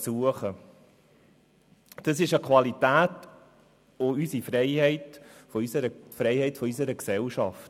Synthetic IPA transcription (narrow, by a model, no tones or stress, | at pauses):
suəχə | d̥ɑsɪʃəkχvɑlitæːt | oysifɾɛɪhɛɪtfɔysəɾəfɾɛɪhɛɪtfɔysəɾəksɛlʃɑft